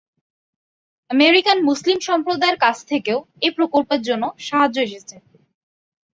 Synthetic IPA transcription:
əmeɾikanmuslimʃɔmpɾod̪aeɾkat͡ɕʰt̪ʰekeo | epɾokolpeɾd͡ʑonːoʃaɦad͡ʑːoeʃet͡ɕʰe

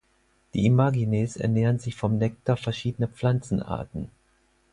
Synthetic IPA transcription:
d̥ḭːimaːɡineːsɛ̰ɐneːʁənzɪçfɔmnɛk̚tafɛɐʃiːdənəp͡fl̥ant͡sn̩ʔa̰ːɐtn̩

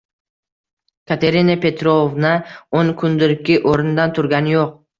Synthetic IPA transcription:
kʰat̪ʰe̞ɾinapʰe̞t̪ɾovnaoŋkʰʊnd̪ɪɾkʲːɪʔoɾɪnd̪ant̪ʰʊɾɡʲanɪjoq̚

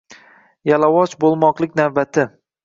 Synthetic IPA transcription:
jalawɒt͡ʃbolˠmɒqlˠɪkʲnavbat̪ʰɪ

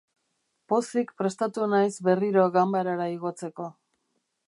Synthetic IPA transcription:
po̞sikpɾe̞st̪at̪unajsbe̞riɾo̞ɣambaɾaɾaiɣo̞t͡se̞ko̞

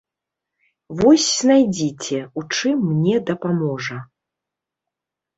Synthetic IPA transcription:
vɔsʲznajd͡zʲit͡sʲɛut͡ʂɨmːnʲɛd̪ɐpamɔʐɐ

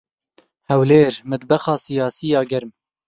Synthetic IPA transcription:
hɛwleːɾmɨd̪bɐxɑːsijɑːsijɑːɡɛɾm

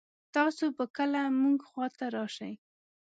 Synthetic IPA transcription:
t̪ɑsopəkəlamuŋɡxwɑt̪aɾɑʃaj

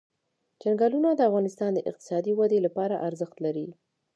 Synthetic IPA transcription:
d͡ʒanɡɑlunad̪əafɣɑnɪst̪ɑnd̪əʔɪ̰q̚t̪ɪ̥sɑd̪iwad̪elapɑɾaʔaɾzəxt̪laɾi

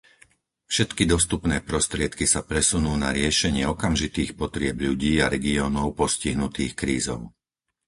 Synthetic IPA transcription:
fʃɛt̪kid̪ɔst̪upnɛːpɾɔst̪ɾɪɛt̪kisapɾɛsunuːnaɾɪɛʃɛɲɪɛɔkamʒit̪iːxpɔt̪ɾɪɛbʎuɟiːaɾɛɡiɔːnɔʊpɔsciɦnut̪iːxkɾiːzɔ̰ʊ

